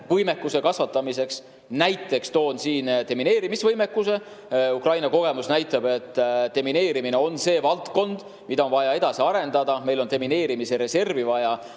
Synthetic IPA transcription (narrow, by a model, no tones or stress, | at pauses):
vɤjme̞kːˑuse̞kɑsvɑt̪ːˑɑmise̞ks | næjt̪ːˑe̞kst̪o̞ːnsiːnt̪e̞mine̞ːɾimisvɤjme̞kːuse̞ | ukrɑjnɑko̞ɡ̥emusnæjt̪ːˑɑb̥e̞t̪ːˑt̪e̞mine̞ːɾimine̞o̞nse̞ːvɑlt̪ko̞nd̪̥ | mid̪ɑo̞nvɑjɑe̞d̪̥ɑsiɑɾe̞nd̪̥ɑd̪ɑme̞jlo̞nt̪e̞mine̞ːɾimise̞ɾe̞se̞rvivɑjɑ